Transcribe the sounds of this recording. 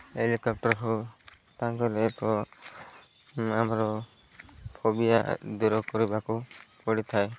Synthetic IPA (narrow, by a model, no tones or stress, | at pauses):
elikɔp̚ʈɔɾɦo | t̪aŋkɔlepɔ | amɾɔ | pʰobija̰d̪uɾɔkɔɾibakupɔɽit̪ʰae